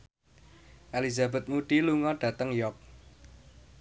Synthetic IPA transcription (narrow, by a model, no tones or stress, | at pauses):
ʔelizabɛ̤t̪̚muɖ̥iluŋɔɖ̥ä̤t̪əŋjɔk̚